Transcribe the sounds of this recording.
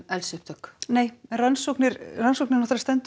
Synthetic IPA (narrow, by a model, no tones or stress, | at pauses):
ɛlsɛp̚t̪œkneːjɛnransowknɪɾransok̚nɪɾnɔht̪aɾst̪ɛnt̪